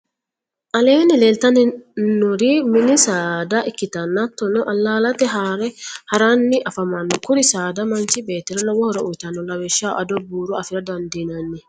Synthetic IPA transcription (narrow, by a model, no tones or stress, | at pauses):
ʔɐleːnɪleːlt̪ɐnɛnʊɾimɪnɪsaːd̪aʔɪkːɪt̪ɐnːat̪ːɔnɔʔɐlːaːlɐt̪ɛɦaɾɛhɐɾanːɪʔɐfɐmɐnːɔkʊɾɪsaːd̪ɐmɐnt͡ʃɪbeːt̪ːɛɾɐnɔwɔhɔɾɔʔʊjt̪ɐnːɔlɐwɛʃːaːʔɐd̪ɔbuːɾuɐfɪɾɐd̪ɐnd̪iːnɐnːɪ